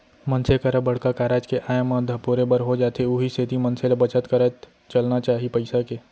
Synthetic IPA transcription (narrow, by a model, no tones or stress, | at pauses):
mənsekəɾəbəɽ̤kakaːɾaːd͡ʒkeʔaːjmə̃d̪ʱəpuɾebəɾɦod͡ʒaːt̪eʊɦisʰet̪imənselebət͡ʃət̪kəɾət̪ | t͡ʃəlnat͡ʃaːɦipəɪsakeː